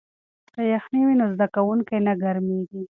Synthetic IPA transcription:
kajaxniwinozd̪akawuŋkajnaɡaɾmeɡi

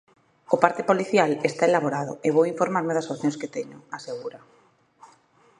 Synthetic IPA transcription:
opaɾt̪epoliθjalest̪aelaβ̞oɾað̞ʊ̰eβowiɱfoɾmaɾmeðasoθjõŋsket̪eɲʊ̰aseɣuɾa

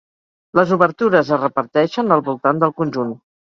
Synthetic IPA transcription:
ləzuβəɾt̪uɾəzərəpəɾt̪ɛʃənəlˠβulˠt̪and̪əlˠkunʲʒun

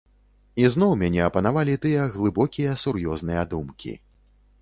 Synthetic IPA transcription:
iznɔwmʲanʲɛɐpɐnavalʲit̪ɨjɐɣlˠɨbɔkʲijɐsuɾjɔznɨjɐd̪umkʲḭ

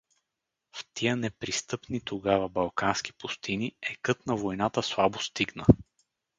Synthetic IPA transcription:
ft̪ʰiənɛpɾist̪ɤpnit̪oɡavəbɐlˠkansk̟i̥pust̪iniɛkɤt̪nɐvojnat̪əslˠabost̪iɡnə

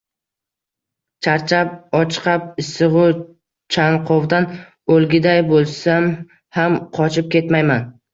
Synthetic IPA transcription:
t͡ʃʰaɾt͡ʃʰap̚ɒt͡ʃʰqʰɑp̚ɪsɨʁʊ | t͡ʃʰanqʰovd̪an | olˠɡʲɪd̪ajbolˠsam | hamqʰɒt͡ʃʰɪp̚kʲe̞t̪majman

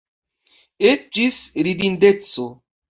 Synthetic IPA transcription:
et͡ʃisɾidin̩det͡so

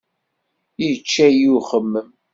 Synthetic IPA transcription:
it͡ʃːæjuχəmːəm

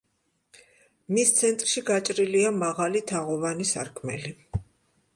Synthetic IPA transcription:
mist̪sʰɛnt̪ʼɾʃiɡat͡ʃʼɾiliamaʁalit̪ʰaʁɔvanisa̰ɾkʰmɛ̰li

